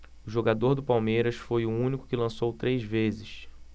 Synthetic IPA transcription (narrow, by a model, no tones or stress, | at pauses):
ʊʒoɡad̪oɾd̪ʊpawmejɾɐsfojʊũnikʊ̥kɪlɐ̃sowt̪ɾejzvezɪʃ